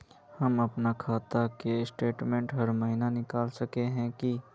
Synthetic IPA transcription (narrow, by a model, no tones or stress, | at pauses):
hɐmɐpnakʰaːt̪akesʈeːʈmɛ̃ːɳʈɦɐɾmɐɦinanɪkaːlsɐkeɦɛ̃ki